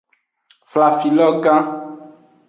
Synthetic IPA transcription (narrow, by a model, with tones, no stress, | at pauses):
fla˨fi˨lɔ˦ɡã˦